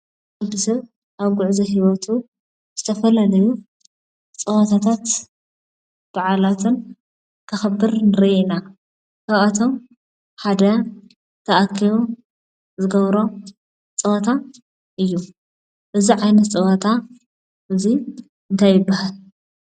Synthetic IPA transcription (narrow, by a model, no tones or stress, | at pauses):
ad̪ɨsɐβ | ʔaβɡʊʕzɐɦiwɐt̪ʰu | z̥ɨt̪ʰɐfɐlalɐju | t͡sʼɨwɐt̪ʰat̪ʰat̪ | b̥aʕalat̪ʰɨn | kʰɨxɐbːɨɾnɨɾiʔina | kʰaβat̪ʰo̞m | ħad̪ɐ | t̪ʰɐʔakʰːijo | zɨɡɐβɾo̞ | t͡sʼɨwɐt̪ʰa | ʔɨjːu | ʔɨziʕajnɐt̪t͡sʼɨwɐt̪ʰa | ʔɨzi | ɨnt̪ʰajːɪbːahal